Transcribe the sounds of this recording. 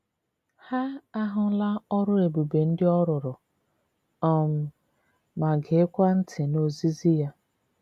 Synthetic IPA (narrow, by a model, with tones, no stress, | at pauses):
ha˦a˦ɦʊ˦la˦ɔ˦ɾʊ˦e˨bu˨be˨n̩˦dɪ˦ɔ˦ɾʊ˨ɾʊ˨ | ɔ˨m̩˨ | ma˨ɡɪ˨˦kʷa˦n̩˦tʰɪ˨no˦zi˦zi˦ja˦